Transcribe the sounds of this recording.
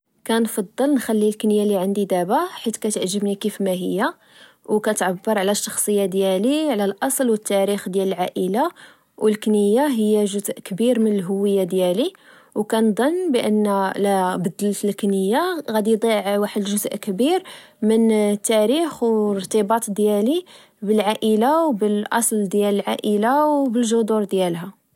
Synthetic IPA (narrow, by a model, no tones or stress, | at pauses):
kænfɑd̪ˤːəlnxælːilknjaliʕənd̪id̪æbaħit̪kæt̪ʕʒːəbnikifmæɦəjːa | wkæt̪ʕabːəɾˤʕlæʃːɑxsˤəjːad̪jæliʕlælʔɑsˤlwət̪ːæɾixd̪jæləlʕaʔəla | wəlknəjːaɦəjːæʒʊzʔkbiɾmənəlɦʊwːəjːad̪jæli | wkænd̪ˤɑnːbəʔə̰nːlæbəd̪əlt̪əlknəjːaɣæd̪ijd̪ˤiʕwaħəd̪ʒʊzʔkbiɾmənt̪ːæɾixɾt̪əbɑt̪ˤd̪jæli | bəlʕaʔəlawbəlʔɑ̰sˤld̪jæləlʕaʔəlawbəlʒʊd̪uɾd̪jælɦæ